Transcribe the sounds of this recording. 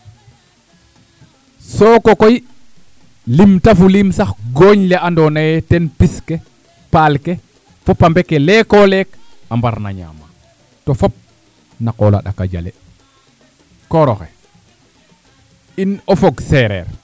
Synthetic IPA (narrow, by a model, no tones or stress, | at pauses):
sɔkɔkoj | limtafulimsaxɡoɲlɛandɔnajɛtɛnpiskɛ | palke | fɔpambɛkːɛlɛkɔlɛkambaɾna̰ɲa̰ːma | tɔfɔp̚ | nakɔla̰ɗa̰ka̰d͡ʒa̰lɛ̰ | kɔɾɔxɛ | inɔfɔɡsɛɾɛ̰ɾ